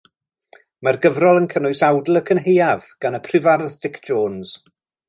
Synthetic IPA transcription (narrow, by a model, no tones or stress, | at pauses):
marɡəvrɔlˠənkʰənʊɨsawdl̩ˠəkʰənɦejavɡ̥anəpʰrɪvarðdɪkʰd̥d͡ʒoːnz̥